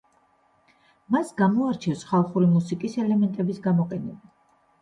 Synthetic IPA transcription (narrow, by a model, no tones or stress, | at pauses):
masɡamɔaɾt͡ʃʰɛwsχalˠχuɾimusikʼisɛlɛmɛnt̪ʼɛbisɡamɔqʼɛnɛba